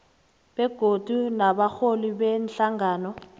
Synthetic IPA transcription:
b̥ɛɡ̥ʱodʱunabak͡xʰolibɛn̩ɬaŋɡaːnɔ

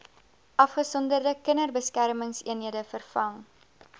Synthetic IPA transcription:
ʔɐfχəsɔndərdəkənərbəskærməŋsiənɦiədəfərfɐŋ

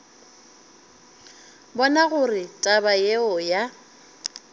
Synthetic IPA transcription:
bɔnaɣʊrɪtʼabajeɔja

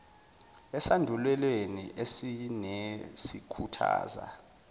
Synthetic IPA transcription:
ɛsandʱulwɛlweniʔesinesikʰutʰa̰ːza̰

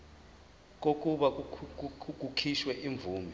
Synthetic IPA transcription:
k̬ok̬ʼuɓak̬u | k̬ʼukʰiʃwɛʔiɱb̪vʱuːmi

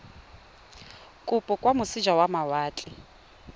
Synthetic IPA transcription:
kʼʊpʼʊkʼwamʊsɪd͡ʒwawamawaːt͡ɬʼɪ

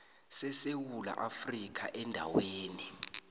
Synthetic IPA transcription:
sɛsewula̰ʔafrik̬ʰa̰ʔɛndʱa̰weːni

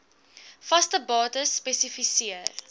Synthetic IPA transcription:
fɐstəbɑːtəsːpɛsifisiər

